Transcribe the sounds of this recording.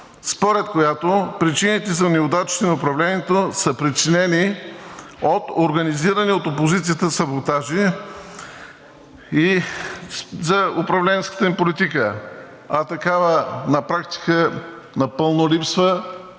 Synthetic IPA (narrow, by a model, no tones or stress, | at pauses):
spoɾɛt̪kojat̪opɾit͡ʃinit̪ɛzɐnɛod̪at͡ʃt̪inɐʊpɾɐvlɛniɛt̪osəpɾit͡ʃinɛni | ot̪oɾɡɐniziɾəniot̪opozit̪sijət̪əsɐbot̪aʒi | i | zɐʊpɾɐvlɛnskə̥t̪ənʲipolit̪ikə | ɐt̪ɐkavənɐpɾakt̪i̥kə | nɐpəlˠnolipsvə